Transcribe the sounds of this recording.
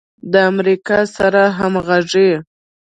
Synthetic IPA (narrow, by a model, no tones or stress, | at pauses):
d̪əamɾikɑsaɾaɦamɣaʐe